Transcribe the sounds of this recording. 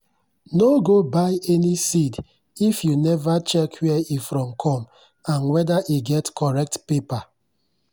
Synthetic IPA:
noɡobaɪɛnisid | ifjunɛvat͡ʃɛkʰwɛifɾɔ̃mkʰɔ̃m | ãnwɛdaʔiɡɛtkʰɔɹɛk̚tpepa

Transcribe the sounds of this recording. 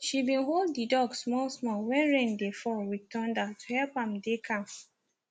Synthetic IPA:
ʃibĩnɦolddidɔɡsmɔlsmɔlwɛ̃nɹẽndefɔwitʰɔ̃ndatʰu̥hɛlpãmdekʰãm

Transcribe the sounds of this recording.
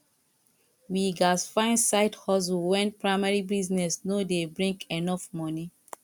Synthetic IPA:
wiɡasfãɪ̃nsaɪthɔs̬ulwɛ̃npɹamaɹibiznɛsnodebɹĩŋkɛnɔfmɔni

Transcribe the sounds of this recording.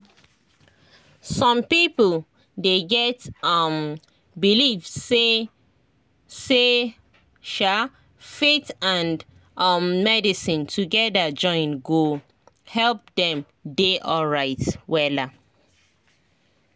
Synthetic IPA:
sɔ̃mpipəl | deɡɛtʌm | bilivse | se | ʃa | fetãn | ʌmːɛdisĩntʰuɡɛdad͡ʒɔ̃ɪ̃nɡu | hɛlp̚dɛ̃m | deʔɔɹaɪtwɛla

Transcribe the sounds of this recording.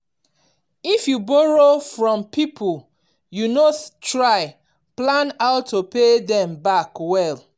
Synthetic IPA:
ifjubɔɹofɹɔ̃mpipʰul | junostɹaɪ | plãnaʊtʰːopedɛ̃mbakwɛl

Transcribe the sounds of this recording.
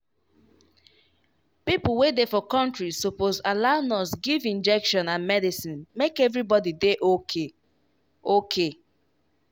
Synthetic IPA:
pipl̩ˠwedefɔkɔ̃ntɹisopozalanɔsɡivĩnd͡ʒɛkʃɔ̃nãnmɛdisĩnmekɛvɹibɔdideʔokʰe | okʰe

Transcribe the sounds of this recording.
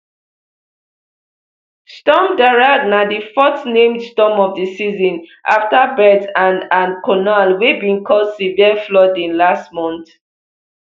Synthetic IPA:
stɔmdaɹadnadifɔstnẽmdstɔmɔvdəsizɔ̃nʔa̰ftabɛdãnãnkʰɔnalwebĩnkʰɔdsiviəflɔdĩnlastmɔ̃nt

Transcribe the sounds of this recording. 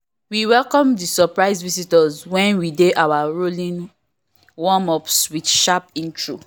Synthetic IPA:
wiwɛlkɔ̃mdisɔpɹaɪzvisitɔzwɛ̃nwideʔawaɹolĩn | wɔ̃mɔpswidʃapĩntɹo

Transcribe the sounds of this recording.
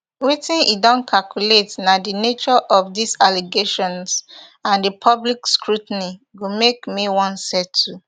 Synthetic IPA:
wetĩnidɔ̃nkʰalkuletnadinet͡ʃɔʔɔfdisaleɡeʃɔ̃ns | ãndəpʰɔblikskɹutniɡomekmiwɔ̃nsɛtʰːu

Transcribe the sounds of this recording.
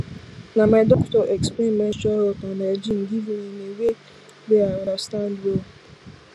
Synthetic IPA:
namaɪdɔktɔʔekspemɛ̃ʃɔɦotaned͡ʒiŋ̩ɡiviɲinewe | beadastandwo

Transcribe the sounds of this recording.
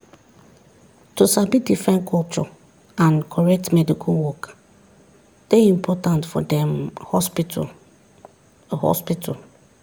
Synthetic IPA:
tusabidifɹɛ̃nkʰɔlt͡ʃɔ | ãnkʰɔɹɛk̚tmɛdikʰalwɔk | d̥eĩmpʰɔtãntfɔ̰dɛ̃mhɔspt | hɔ̰spitʰɔ̰l

